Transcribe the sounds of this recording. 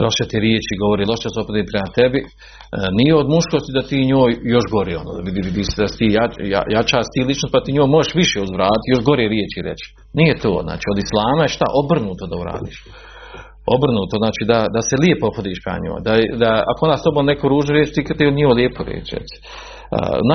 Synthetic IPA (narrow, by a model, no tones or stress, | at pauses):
loʃet̪iɾjeːt͡ʃiɡo̞ʋoɾiːlˠoʃed̪asopod̪iːpɾemat̪ebi | nijeod̪muʃkost̪id̪at̪iːɲoːjjo̞ʃɡo̞ɾeːonoːʋid̪iʋid̪iːsed̪ase̥t̪iːjaja̰jat͡ʃaːst̪iːlit͡ʃnost̪pat̪iːɲoːjmojeʃʋiʃeuzʋɾaːt̪it̪jo̞ʃɡoɾeːɾjeːt͡ʃiɾḛt͡ʃ | nijet̪o̰ːzna̰ːt͡ʃiːo̞d̪islˠaːmajeʃt̪a̰ʔo̞br̩nuːt̪o̞d̪auɾa̰ːd̪ḭːʃ | obr̩nuːt̪oznaːt͡ʃiːd̪ad̪aseliepoopʰod̪iːʃpɾḛma̰ɲo̰ːjd̪ad̪aa̰koond̪ast̪o̞boːmnekoɾuːʒnoɾjet͡ʃt̪iːkt̪iod̪nɲioljeːpoɾjḛːt͡ʃɾɛ̰t͡ʃ̪i̥ | ə̰na